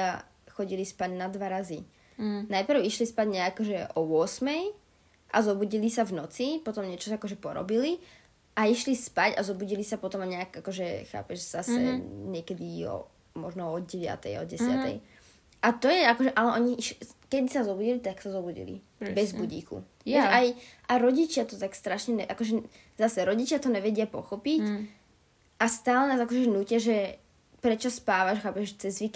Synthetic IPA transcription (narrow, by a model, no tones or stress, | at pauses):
a | xɔɟilispaɟnad̪ʋaɾazi | najpr̩ʊiʃlispaɟɲɛaːkɔʒɛʔɔʊɔsmɛj | ʔa̰zɔbuɟilisavnɔt͡sipɔt̪ɔmɲɛt͡ʃɔsakɔʒɛpɔɾɔ̰bili | ʔaiʃlispacazɔbuɟilisapɔt̪ɔmaɲɛakakɔʒɛxa̰ːpɛʒz̥asɛ̰ɲɪɛkɛd̪iɔ̰ | mɔʒnɔɔɟɛʋɪa̰t̪ɛ̰jɔ̰ɟɛsɪat̪ɛ̰j | ʔat̪ɔjɛakɔʒɛʔalɛʔɔɲiiʃkɛd̪isazɔbuɟilit̪aksazɔbuɟḭlḭ | bɛzbuɟḭːkṵ | ɛʃajʔaɾɔɟit͡ʃɪat̪ɔt̪akst̪ɾaʃɲɛnɛʔakɔʒɛ | zasɛɾɔɟit͡ʃɪat̪ɔɲɛʋɛɟɪapɔxɔpic | ʔast̪aːlɛnaːzakɔʒɛɛnuːcɪaʒɛ | pɾɛt͡ʃɔspaːʋaʒxaːpɛʒt͡sɛzʋik